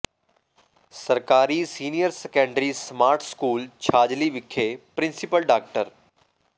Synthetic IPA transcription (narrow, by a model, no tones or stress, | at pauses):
səɾkaːɾisiːnijəɾsɛkə̃ɳɖɾismaːɾʈʰskuːlt͡ʃʰaːd͡ʒliʋɪkʰːepɾɪ̃nsɪpəlɖaːk̚ʈəɾ